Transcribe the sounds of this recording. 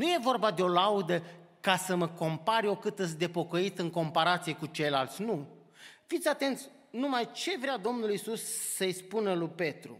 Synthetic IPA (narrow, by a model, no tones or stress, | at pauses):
nuje̞vo̞rbad̪e̞o̞laud̪əkasəməko̞mpaɾjo̞kɨt̪ɨs̬ʲd̪e̞po̞kəit̪ɨŋko̞mpaɾat̪sije̞kut͡ʃe̞jlalt̪sʲnu | fit̪sʲat̪e̞nt̪sʲ | numajt͡ʃe̞vɾead̪o̞mnulisusːəjspunəlujpe̞t̪ɾṵ